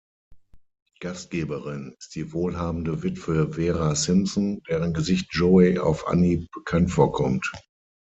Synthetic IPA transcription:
ɡ̥astɡ̥eːbəʁɪnɪstd̥iːvoːlɦaːbn̩dəvɪtv̥əveːʁasɪmsɔnd̥ɛːʁənɡəzɪçt̚ʒ̥oea̰ʊfʔa̰nib̥əkʰantfoːɐkʰɔmt

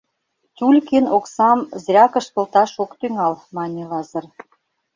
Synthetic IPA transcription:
tʲulʲkenoksɑmzrʲɑkə̆ʃt̪olt̪ɑʃokt̪yŋɑlmɑnʲilɑzə̆r

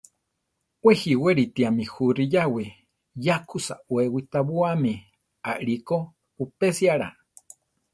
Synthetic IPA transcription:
wehiweɾit̪iamihuɾijawi | jakʰusa̰wewit̪aβuami | aʔɾiko | pupesiaɺa̰

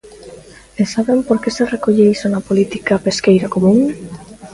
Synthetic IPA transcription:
esaβempoɾkeserekoʎejsonapolit̪ikapeskejɾakomũŋ

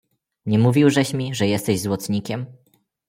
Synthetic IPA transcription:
ɲɛmuvʲiwʐɛɕmʲiʐɛjɛst̪ɛʑzwɔt̪sɲikʲɛm

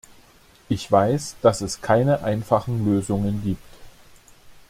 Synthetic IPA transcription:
ʔɪçv̥aɪsd̥asɛskʰaɪnəʔaɪnfaχn̩løːzʊŋənɡiːp̚t

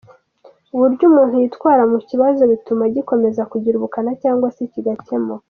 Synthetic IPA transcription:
uβuɾɟuːmuːn̥hujitkwaːɾamuciβazo̞βitumaɟiko̞me̞zakuɟiɾuβukanacaːŋɡwasiciɡace̞mo

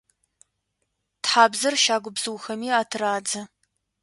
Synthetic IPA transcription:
tħaːbzɐrʃaːɡʷʊbz̥ɨwxɐmiːaːtʰɨraːd͡zɐ

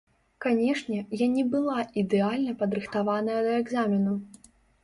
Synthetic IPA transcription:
kanʲɛʂnʲɛjanʲɛbɨlˠaʔid̪ɛalʲnɐpɐd̪ɾɨxt̪avanɐjɐd̪ɐɛɡzamʲinu

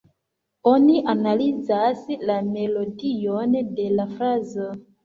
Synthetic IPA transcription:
o̞niʔanalizaslame̞lo̞dijonde̞lafɾazo

